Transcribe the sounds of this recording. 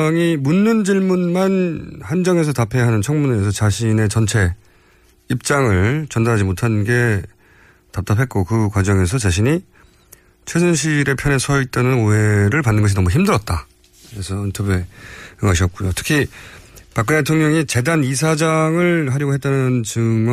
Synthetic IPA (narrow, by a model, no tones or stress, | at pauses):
ŋimunːɯnd͡ʑiɭmunmanhand͡ʑʌŋe̞s̬ʰʌtapʰe̞ɦanɯnt͡ɕʰʌŋmunɾesʰʌt͡ɕaɕʰine̞t͡ɕʌnt͡ɕʰe̞ | ip̚t͡ɕ͈aŋɯɭt͡ɕʌndaɾɦad͡ʑimotʰannɡe̞ | tap̚t͈apʰe̞t̚k͈okɯkwad͡ʑʌŋe̞s̬ʰʌt͡ɕaɕʰiɲi | t͡ɕʰwes̬ʰɯnɕ̬ʰiɾe̞pʰjʌnesʰʌit̚t͈anɯnoe̞ɾɯɭpanːɯnɡʌɕ̬ʰinʌmuçimdɯɾʌt̚t͈a | kɯɾesʰʌintʰʌbjueɯɡaɕ̬ʰiʌt̚k͈ujotʰɯ̥kʰi | pak͈ɯntʰetʰoŋɲʌŋit͡ɕe̞danis̬ʰad͡ʑaŋɯɭɦaɾjʌɡoɦet͈anɯnt͡ɕɯŋ